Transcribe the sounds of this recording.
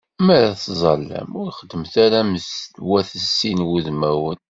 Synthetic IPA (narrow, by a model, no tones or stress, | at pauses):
mæɾæθzˤɑlːə̰mʊɾχəd̪ːəmθæɾæməθwæθəsːinwuðmæwən